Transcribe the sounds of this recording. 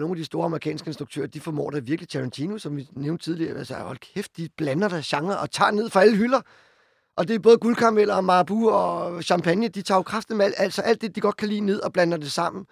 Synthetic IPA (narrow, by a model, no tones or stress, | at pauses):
no̝ːnæd̥isd̥o̝ːɐɑ̈məʁikʰɛ̰ːnsɡ̥əe̝nsd̥ʁuɡ̥̚t͡sʰø̰ːɐd̥ifɒmɔ̰ːɾ̥æʋiɐɡ̥lit͡sʰæʁɑnt͡sʰinosɒ̽mʋineʊnd̥ət͡sʰið̞ˠliɐ̰ælsəæɒlhefd̥̚ːib̥lænɐd̥æɕɑ̈ŋɐʔɒ̽t͡sʰɑ̰̈ːne̝ð̰ˠfʁɑ̈æləɦylɐ | ʔɒ̽d̥e̝b̥ɔ̽ːð̩ˠɡ̥ulkʰɑ̈mel̰ɐmɑ̈ːb̥uɒɕɑ̈mpʰænjəd̥it͡sʰɑ̰̈ːokʰʁɑfd̥n̩mæl̰æl̰d̥sɒ̽ʔæl̰d̥ːe̝d̥iɡ̥ɒ̽d̥̚kʰælḭːne̝ð̞̰ˠɒ̽b̥lænɐd̥e̝sɑ̈m̰n̩